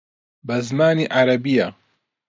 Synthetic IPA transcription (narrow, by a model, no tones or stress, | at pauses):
bɐzmaːniːʔaɾɐbija